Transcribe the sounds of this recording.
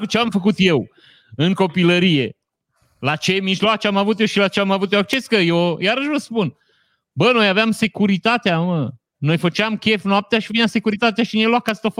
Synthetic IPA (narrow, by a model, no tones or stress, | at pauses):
kut͡ʃeamfəkut̪je̞w | ɨŋko̞piləɾije̞ | lat͡ʃemiʒloat͡ʃeamavut̪jeʃilat͡ʃeamavut̪joak̚t͡ʃe̞skəjojaɾəʃvəspun | bəno̞javeamse̞kuɾit̪at̪eamə | no̞jfət͡ʃeamkʲe̞fnap̚t̪eaʃivinamse̞kuɾit̪at̪eaʃineloakast̪of